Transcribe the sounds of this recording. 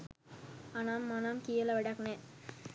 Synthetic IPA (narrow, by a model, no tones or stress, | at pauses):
anamːanamkijɐlɐʋɛɖɐkne